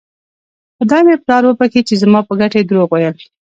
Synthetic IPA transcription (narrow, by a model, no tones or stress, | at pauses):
xəd̪ɑmeplɑɾwəpaket͡ʃezamɑpəɡaʈaed̪ɾoɣwajəl